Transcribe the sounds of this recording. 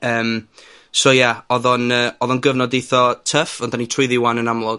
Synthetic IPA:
əːm | soːjaɔðɔnəːɔðɔnɡəvnɔdejθɔtʰəfɔndanitʰrʊɨðiwanənamlˠʊɡ

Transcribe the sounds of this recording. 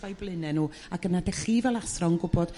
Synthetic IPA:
vajblˠɨnɛnuː | aɡənadɛɬivɛlˠasrɔŋɡʊbɔd̥

